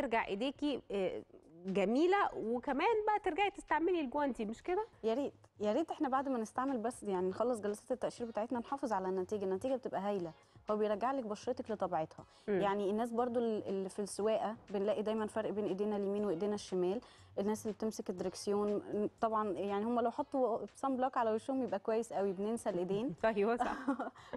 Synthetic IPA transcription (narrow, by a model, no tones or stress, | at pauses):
eɾɡaʕʔḛd̪eːki | ɡæmiːlæwekæmæːnbæʔæt̪eɾɡaʕt̪est̪aʕmelilɡowænt̪imeʃked̪æjɑɾiːd̪̥ | jæɾiːd̪ʔeħnæbaʕd̪mænest̪aʕmelbæsːjaʕninxɑlːes̬ˤɡælɑsˤɑt̪et̪ːæʔʃiːɾbet̪aːʕet̪nænħɑːfezˤʕalænːæt̪iːɡænːæt̪iːɡæbet̪ebʔæɦæjlæ | howːæbejɾˤɑɡːaʕlekbɑʃɾet̪ɑklet̪ˤɑbiʕet̪hɑ | jaʕnienːæːs̬bɑɾˤd̪ˤolʔelːfilsewæːʔæbenlæːʔid̪æːjmænfɑɾˤʔbeːnʔed̪eːnæljæmiːnweʔed̪eːnæʃːemæːl | ʔenːæːsʔelːibet̪emseked̪ːɾeksejoːnt̪ˤɑbʕɑnjaʕnihomːælæwħɑt̪ˤːusˤɑmblɑːkʕalæweʃuːmjebʔækwæjːesʔæwibenensælʔed̪eːnæjwæ